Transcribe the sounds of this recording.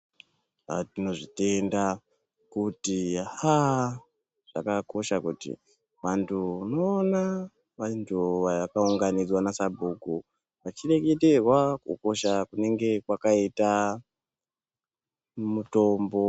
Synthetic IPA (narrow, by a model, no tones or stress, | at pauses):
a̰tino̞ʐite̞nda | kutiaha | ʐ̥a̰kako̞ʃakṵtḭ | ʋantʰuuno̞ːna | ʋantʰuʋakauŋɡanid͡zwanasabʱuku | ʋat͡ʃiɾe̞ɡe̞te̞rwakṵko̞ʃakune̞ŋɡe̞kwakaita | muto̞mbo̞